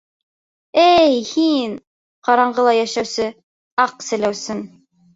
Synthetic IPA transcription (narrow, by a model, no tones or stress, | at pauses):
æjhin | qɑɾɑɴɢɤlˠɑjæʃæwsɘ | ɑqsɘ̆læwsɘn